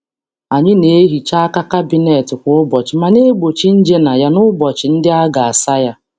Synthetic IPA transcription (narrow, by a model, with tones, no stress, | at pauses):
a˨ɲɪ˦ne˨˦ɦi˨t͡ʃa˦ka˦ka˦bi˦ne˨tɪ˨kʷʊ˨˦ʊ˦bɔ˨t͡ʃɪ˨ma˨ne˦ɡ͡bo˨t͡ʃi˦n̩˦d͡ʒe˦na˨ja˦nʊ˦bɔ˨t͡ʃɪ˨n̩˦dɪ˦a˦ɡa˨a˨sa˦ja˦